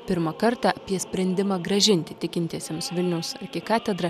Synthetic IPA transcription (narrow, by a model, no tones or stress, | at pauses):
pʲɪɾmɐkɐɾt̪ɑːɐpʲiɛsʲpʲɾʲɛnʲd̪ʲɪmɑːɡɾɐʒʲɪnʲt̪ʲɪt̪ʲɪkʲɪnʲt̪ʲiɛsʲɛmsʋʲɪlʲnʲɛʊsɐ̰kʲɪkɑːt̪ʲɛd̪ɾɐ